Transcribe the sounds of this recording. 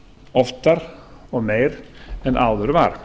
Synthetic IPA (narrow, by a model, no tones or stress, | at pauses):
ɔft̪aɾɔmeɪɾɛnʔaʊðəɾʋaːɾ